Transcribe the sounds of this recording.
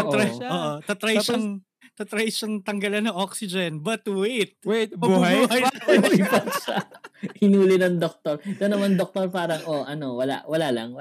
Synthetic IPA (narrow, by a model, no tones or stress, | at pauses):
ɐɾɐoːʔot̪ɐt̪ɾɐjʃn | t̪ɐt̪ɾɐjsɐnt̪ɐŋɡɐlɐnːɐŋʔoksɪd͡ʒɛnbɐt̪wet̪̚bujɐjɾipɐt̪ʃahɪnuːlɪnɐŋd̪ok̚t̪oɾt̪onɐmand̪ok̚t̪oɾpaːɾɐŋoʔɐnowɐla̰ʔwɐlaːlɐ̰ŋwɐ